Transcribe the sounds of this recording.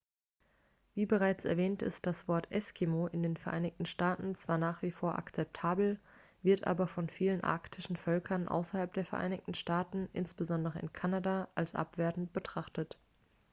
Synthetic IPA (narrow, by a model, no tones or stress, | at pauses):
viːbəʁ̞aɪt͡sɛ̰ɐvɛːntɪ̰st̚d̥asv̥ɔɐtʰʔɛskʰimoʔɪndeːnfɛɐʔa̰ɪnɪçtn̩ʃtaːtn̩t͡sv̥aːɐnaːχv̥iːfoːɐʔa̰kt͡sɛp̚tʰaːbl̩ | vɪɐtʔa̰ːbɐfɔnfiːlənʔa̰ɐktʰɪʃn̩fœlkʰɐnʔa̰ʊsɐhalp̚d̥eːɐfɛɐʔa̰ɪnɪçtn̩ʃtaːtn̩ʔɪ̰nsb̥əzɔndəʁəɪ̰nkʰanadaʔalsʔa̰pv̥eːɐtn̩tb̥ətʁ̥aχtət